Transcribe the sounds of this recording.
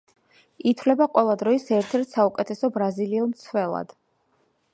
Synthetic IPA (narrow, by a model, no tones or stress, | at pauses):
it̪ʰvlɛbaqʼwɛlˠad̪ɾɔisɛɾt̪ʰɛɾt̪ʰsaukʼɛt̪ʰɛsɔbɾaziliɛlˠmt̪sʰvɛlˠa̰d̪̥